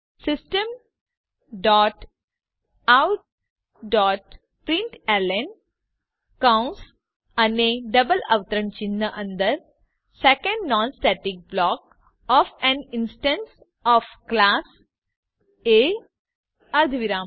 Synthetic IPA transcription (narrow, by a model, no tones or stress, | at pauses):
sɪsʈə̃m | ɖɔːʈ | aʊʈ̚ | ɖɔːʈ | pɾɪ̃ɳʈɛlən | kãʊ̃ns | ɐneɖɐbəlɐ̰ʋt̪ɾə̃nt͡ʃinːəʔɐ̃nd̪əɾ | sekə̃ɳɖnɔ̃ːnsʈɛʈɪk̚blɔːk | ɔːfɛ̃nɪ̃nsʈə̃ns | ɔːfklaːs | eː | ɐɾd̪ʱʋiɾãːm